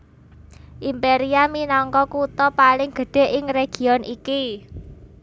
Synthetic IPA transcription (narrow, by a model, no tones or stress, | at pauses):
ʔimpeɾiaminɔŋkɔkut̪ɔpalɪŋɡ̥ə̤ɖ̥e̤ʔɪŋreɡ̥i̤ɔnʔiki